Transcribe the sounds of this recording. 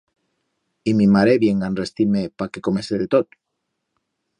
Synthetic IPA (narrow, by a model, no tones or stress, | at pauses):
imimaɾeβjeŋɡanrest̪imepakekomeseðet̪ot̪